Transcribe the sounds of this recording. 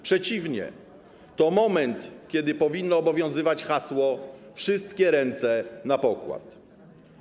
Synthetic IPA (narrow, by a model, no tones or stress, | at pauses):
pʂɛt͡ɕivɲɛ̰ | t̪ɔmɔmɛnt̪kʲɛd̪ɘpɔvʲinːɔːbɔvʲjɔ̃w̃zɘvat͡ɕxaswɔfʂɘst̪kʲɛɾɛnt̪sɛnapɔkwa̰t̪